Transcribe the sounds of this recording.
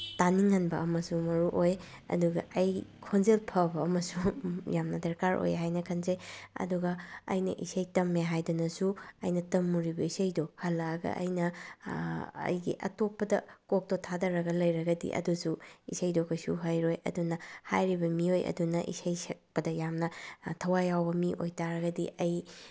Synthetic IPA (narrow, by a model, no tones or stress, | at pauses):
taniŋːɐnbɐʔɐmɐsumɐɾuʔoj | ɐ̰duɡɐ̰ɐjkʰonzelpʰɐbɐːmɐsujamnɐdɐɾkaɾʔo̰jɦajnɐkʰɐnzejɐ̰duɡɐɐ̰jnɐ̰ʔisɐjtɐmːeɦajdɐnɐsuɐjnɐtɐmːuɾibɐisɐjdohɐlːɐːɡɐ̰ʔɐ̰jnɐ | ɐ̰jɡḭʔɐ̰topːɐdɐkok̚totʰadɐɾɐɡɐlɐjɾɐɡɐdḭʔɐ̰dusuḭsɐjdokʰɐjsuɦajɾojɐ̰dunɐhajɾibɐmiojɐ̰dunɐʔḭsɐjsek̚pɐdɐjamnɐtʰɐwajawbɐmiʔojtaɾɐɡɐdiʔɐj